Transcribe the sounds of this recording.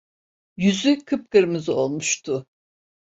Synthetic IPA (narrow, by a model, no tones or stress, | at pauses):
jyzykʰɯp̚kɯɾmɯzo̞lˠmuʃt̪ʰʊ